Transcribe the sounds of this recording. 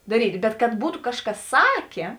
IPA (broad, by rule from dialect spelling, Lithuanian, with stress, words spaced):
dɐˈrʲiːtʲ bʲɛt kɐt ˈbuːtʊ ˈkɑːʃˌkɐs ˈsɑːkʲeː